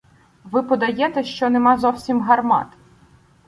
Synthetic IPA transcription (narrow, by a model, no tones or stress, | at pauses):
ʋɪpɔd̪ɐjɛt̪ɛʃt͡ʃɔnemɑzɔwsʲimɦɐrmɑ̰t̪